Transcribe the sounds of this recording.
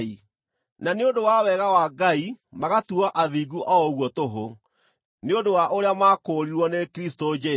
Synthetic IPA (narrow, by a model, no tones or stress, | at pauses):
i | naneondowawɛɣawaɡaimaɣatuɔʔaðiɡuʔɔɔɣwɔtoɦo | neondowaʔoɾeamakoɾiɾwɔnekɾistod͡ʒɛ